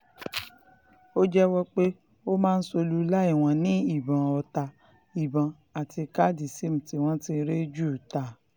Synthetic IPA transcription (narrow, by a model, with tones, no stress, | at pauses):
o˦d͡ʒɛ˦wɔ˦k͡pe˦ | o˦mãː˦n̩˦so˧lu˦la˦i˦˨w̃ɔ̃˧nĩ˨˦i˦˨bã˨ɔ˧ta˧ | i˨bã˨ | a˨ti˧ka˦˨di˨si˦˨m̩̃˨ti˨w̃ɔ̃˦tĩ˧ɾe˦d͡ʒu˦˨ta˨